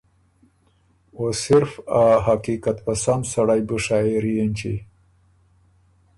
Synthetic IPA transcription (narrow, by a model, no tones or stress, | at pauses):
osɪɾfaɦakikat̪pasamsaɽajbuʂaiɾijenʲt͡ʃḭ